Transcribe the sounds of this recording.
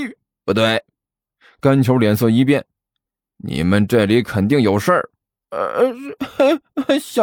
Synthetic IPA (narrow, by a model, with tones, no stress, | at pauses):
pu˧˥t̪we˥˩ɪ | ka˥nt͡ɕʰjo˧˥ʊljɛ˧˥ns̬ɤ˥˩i˥p̬jɛ˥˩n | nḭ˨˩mə˦nʈ͡ʂa˥˩ɪli˧˥kʰə˨˩nt̪i˥˩ŋjo˨˩ʊʂə˞˥˩ | ɕ